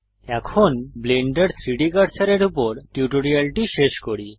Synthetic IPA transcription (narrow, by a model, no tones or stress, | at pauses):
ɛkʰonbleɳɖəɽsɾiɽikəɾsaɾeɾupɔɾʈjuʈoɽialʈiɕeɕkɔɽi